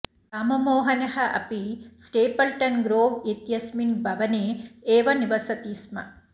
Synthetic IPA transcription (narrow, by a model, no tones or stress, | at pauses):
aːmɐmoːɦɐnɐɦɐʔɐ̰pisʈeːpɐlʈɐnɡɾoːʋet̪jɐsminbʱɐʋɐneːeːʋɐniʋɐsɐt̪iːsmɐ̰